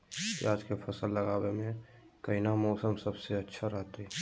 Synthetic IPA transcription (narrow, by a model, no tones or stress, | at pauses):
kḭaːd͡ʒkepʰəsəlːəɡaːwemẽkəinamɔːsəmsəbseətːʃʰaɾɛɦt̪e